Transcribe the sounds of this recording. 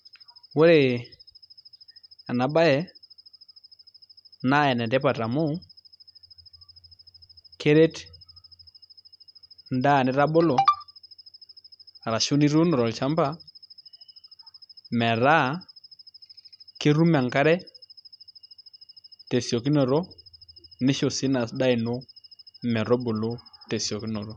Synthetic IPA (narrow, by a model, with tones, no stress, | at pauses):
wo˦ɾe˨ | a˨na˨ba˦jɛ˨ | na˦˨ɛ˨nɛ˨dɛ˦pa˨ta˨mo˦ | kʰe˦ɾe˦t | n˦da˦˨nɛ˦ɾa˦bo˦lo˨ | ɾa˨ʃu˦ni˦ɾu˦nɔ˨ɾɔ˨lt͡ʃa˦mba˦ | mɛ˨ɾa˦ | ke˦ɾu˦ma˨ŋka˦ɾɛ˦ | te˨sjɔ˨ki˦nɔ˨ɾo˦ | nɪ˦ʃo˨si˦na˨sda˦ɪ˨no˦mɛ˨ɾɔ˦bo˨lo˦te˨sjo˨ki˦no˨ɾo˦